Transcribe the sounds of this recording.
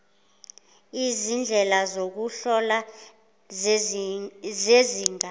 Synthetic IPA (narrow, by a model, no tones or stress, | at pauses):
izind͡ɮʱɛlazok̬uɬɔla | zeziːŋa